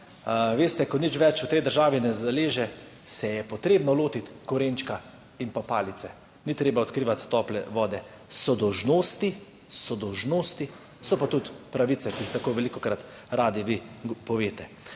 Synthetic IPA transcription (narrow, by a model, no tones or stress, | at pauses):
ʋeːst̪ɛkɔnit͡ʃʋɛt͡ʃut̪ɛjd̪əɾʒaːʋinɛzd̪ɛleːʒɛ | sɛjɛpɔt̪ɾeːbnɔloːt̪it̪kɔɾeːnt͡ʃka | impapaːlit̪sɛ | nit̪ɾeːbaɔt̪kɾiːʋat̪ːɔːplɛ̰ʋɔːd̪ɛ | sɔd̪ɔwʒnoːst̪i | sɔd̪ɔwʒnoːst̪i | sɔpat̪ut̪pɾaʋit̪sɛkiːxt̪akoːʋɛlikɔkɾat̪ | ɾaːd̪iʋipɔʋeːt̪ɛ